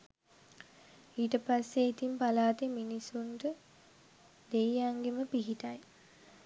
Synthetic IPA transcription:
iːʈəpasːeːt̪impalaːt̪eminisunʈə | d̪ejaŋɡeməpiɦiʈaj

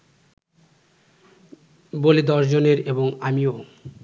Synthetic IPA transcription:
boled̪ɔʃd͡ʑoneɾeboŋamio

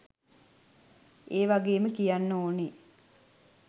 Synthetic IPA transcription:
eːʋaɡeːməkijanːoːne

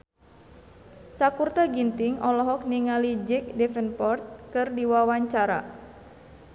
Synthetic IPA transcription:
sakurt̪aɡint̪iŋɔlɔɦɔk̚niŋalid͡ʒɛk̚dɛfɛnpɔrt̪̚kɨrdiwawaɲt͡ʃaɾa̰

